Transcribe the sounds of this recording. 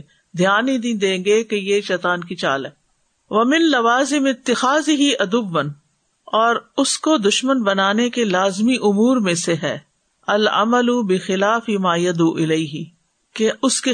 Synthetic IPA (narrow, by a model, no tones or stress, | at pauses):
d̪ʱijaːnĩd̪ĩd̪ẽːɡekejeʃɛːt̪aːnkit͡ʃa̰ːlɦɛː | ʋɐmɪ̃nlɐʋaːzɪmɪt̪ːɪxaːzɪɦiʔɐd̪ʊʋːən | ɔːɾʊskod̪ʊʃmənbɐnaːnekelaːzmiʔʊmuːɾmẽseɦɛ̰ː | ɐlʔɐ̰mɐlʊbɪxɪlaːfimaːjɐd̪uʔɪleiɦɪ | keʊske